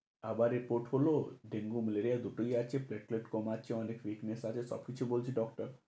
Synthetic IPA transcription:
abaɾipoɾʈɦoloɖeŋɡuməleɾijad̪ʱuʈujad̪̚t͡ʃʰepleʈ̚kleʈkɔmat͡ʃʰeɔnekʋiknesat̪ʰesɔ̰pʰit͡ʃʰebolt͡ʃʰeɖɔk̚ʈəɾ

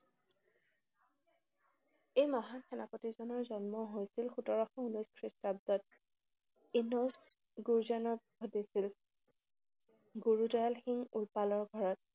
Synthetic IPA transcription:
ejmɔɦankʰɛnapotizɔnɔɹzɔnmɔɦojsilxutɔɹɔxɔunuskʰɹistab̚dɔt̚ | inɔs | ɡuɹzanɔbʱodisil | ɡuɹudɔjalxiŋulpalɔɹɡʱɔɹɔt̚

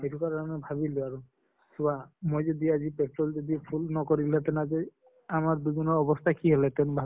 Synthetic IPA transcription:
ejɾukaɾɔnebʱaβiluaɾu | subamojd͡ʒed̪iad͡ʒipeʈɾɔld͡ʒɔd̪ipʰulnɔkɔɾilet̪ɛnad͡ʒe | amaɾbubʱinɔɾɔbɔst̪ʰakiɦelet̪enbʱa

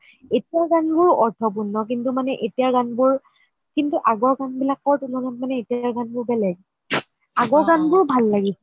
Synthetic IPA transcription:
etijaɡanbʊɹɔɹtʰɔp̬unːɔk̬intumanɛʔetijaɹɡanbʊɹ | kintuʔaɡɔɹɡanbilakːɔɹtunɔɡanmanɛetijaɹɡanbʊɹbɛlɛɡ | aɡɔɹɡanbʊɹbʱalːaɡisɛ

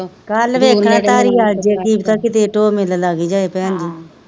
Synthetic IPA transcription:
kalʋeːkʰɾãːt̪aːɾiːaːd͡ʒeːkiːbt̪aːkɪt̪eːʈoːmɪllaːɡiːd͡ʒaːeːpɛ̃ːnd͡ʒ̪iː

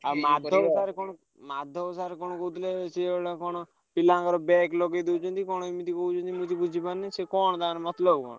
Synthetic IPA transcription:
amad̪ʱɔaɾekɔɽ̃ɔ | mad̪ʱɔsaɾekɔɽ̃ɔkɔut̪leseɽakɔɽ̃ɔ | pilãŋkɔɾɔbɛklɔɡed̪eut͡ʃʰɔnt̪ikɔɽ̃ɔimit̪ikɔɦut͡ʃʰɔnt̪imũt̪ibud͡ʒʱipanisekɔɳ̃ɔd̪aːnmɔt̪lɔbkɔ̰ñɔ

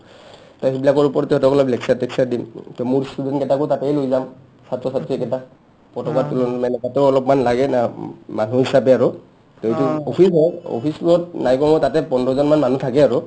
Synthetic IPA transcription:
taibilakɔɹupɔɹtɛɦɔtɔkɔlɔplɛksaɹtɛksaɹdimtmuɹstudɛntkɛtakʊtatɛjlojzam | satɹɔsatɹiɛkɛta | pɔtɔkatulɔnmɛnɛkatɛɔlɔpmanlaɡɛnamanuɦisapɛaɹu | tɛɦituopʰisɔɔ̰pʰisluɔtnajkɔmɔtatɛpɔndɔzɔnmanmanutʰakɛaɹu

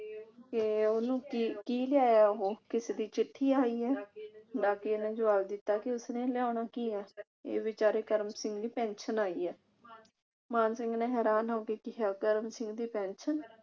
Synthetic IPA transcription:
keːoːnũːkiːkiːlɪaːjaːɦoːkɪseːd̪iːt͡ʃɪʈʰːiːaːiːɛːɖaːkeːenẽːd͡ʒʊʋaːbd̪ɪt̪ːaːkɪʊsneːlɪjaːnaːkiːɛː | ḛːʋɪt͡ʃaːɾeːkəɾmsɪ̃ŋɡd̪iːpɛ̃ːnʃənaːiːɛː | maːnsɪŋɡneːɦɛːɾaːnɦaokeːkɪɦaːkəɾmsɪ̃ŋɡd̪iːpɛ̃ːnʃən

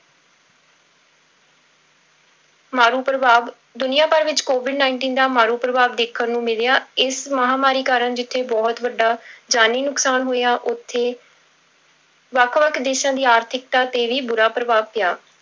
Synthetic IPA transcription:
maːɾuːpɾəʋaːʋ | d̪ʊnɪjãːpəɾʋɪt͡ʃkoːʋɪɖnaːɪɳʈiːnd̪aːmaːɾuːpɾəʋaːʋd̪eːkʰːəɾnũːmɪljaːɪsməɦaːmaːɾiːkaːɾəɳd͡ʒɪt̪ʰːeːbɔːt̪ʋəɖːaːd͡ʒaːniːnʊksaːnɦoːjaːʔʊt̪ʰːeː | ʋəkʰʋəkʰd̪eːʃãːd̪iːaːɾt̪ʰɪk̚t̪aːt̪eːʋiːbʊɾaːpɾəʋaːʋpɪjaː

